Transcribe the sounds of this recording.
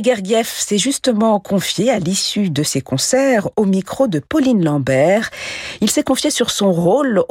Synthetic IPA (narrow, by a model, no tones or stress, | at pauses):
ɡɛʁɡjɛfsɛʒyst̪əmɑ̃kʰɔ̃fjealisyd̪əsekɔ̃sɛʁomikχod̪əpɔlinlɑ̃bɛʁilsɛkɔ̃fjesyʁsɔ̃ʁol